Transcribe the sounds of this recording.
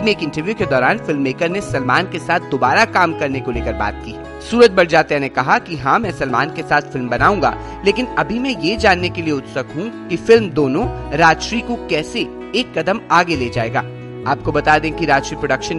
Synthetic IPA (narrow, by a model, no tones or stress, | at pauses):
mẽeːkɪ̃ɳʈəɾʋjuked̪ɔːɾaːnfɪlmːeːkəɾnesɐlmaːnkesaːt̪̚ʰd̪oːbaːɾakaːmkɐɾnekoleːkəɾba̰ːt̪̚kiː | suːɾət̪̚bɐɽ̤d͡ʒaːt̪eɛnekɐɦakiɦãmɛ̃ːsɐlmaːnkesaːt̪ʰfɪlmbɐnaːũŋɡa̰ː | leːkɪnɐbʱimɛ̃jed͡ʒaːnːekelieʊt̪sɐkɦũkifɪlmd̪oːnõɾaːd͡ʒʃɾikokɛːse | eːkːɐd̪əmaːɡeleːd͡ʒaːeːɡa̰ː | aːp̚kobɐt̪aːd̪ẽːkiɾaːd͡ʒʃɾipɾoɖəkʃən